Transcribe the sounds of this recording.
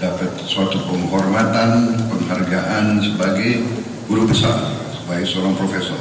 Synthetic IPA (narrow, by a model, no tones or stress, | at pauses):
dapət̪̚suat̪upəŋɦɔrmat̪anpəŋɦarɡaʔansəbaɡaj | buɾubəsa̰rsəbaɡajsoɾaŋpɾofesɔr